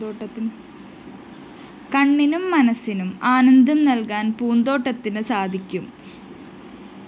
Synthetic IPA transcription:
oːɐ | kɐɳːinumːɐnɐsːinumaːnɐnd̪ʱɐmnɐlkaːnpuːnd̪o̞ːʈːɐt̪ːinɨsaːd̪ʱikʲːum

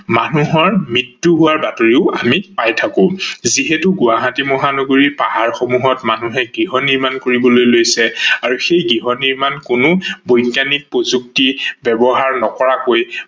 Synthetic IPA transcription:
manuɦɔɹmɹitːuɦuwaɹbatoɹiʊamipajtʰakʊ̃ziɦɛtʊɡʊwaɦãtimɔɦanɔɡoɹipaɦaɹxomuɦɔtmanuɦɛɡɹiɦɔnːiɹmankoɹibɔlojlojsɛaɹuxejɡiɦɔnːiɹmankʊnʊbojknanik̚pɹozuk̚tibɛbɔɦaɹnɔkɔɹakoj

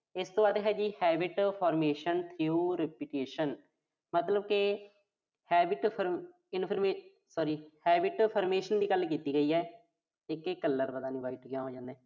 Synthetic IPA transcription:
ɪst̪õːbaːd̪ɦɛːd͡ʒiːhɛːbɪʈpʰɔːɾmeːʃənt̪ʰiuːɾɪpɪʈeːʃən | mət̪ləbkɪ | hɛːbɪʈpʰəɾ | ɪnpʰəɾmeː | sɔːɾiːhɛːbɪʈpʰəːɾmeːʃənd̪iːɡəlkiːt̪iːɡəiːɛː | ɪkekːəlːəɾbəd̪aːnĩːbaːɪʈkjãːɦoːd͡ʒãːnd̪ɛː

